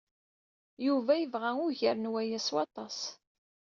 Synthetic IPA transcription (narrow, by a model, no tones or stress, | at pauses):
juvæjəvʁæʊʝəɾənwæjæswɑt̪ˤɑs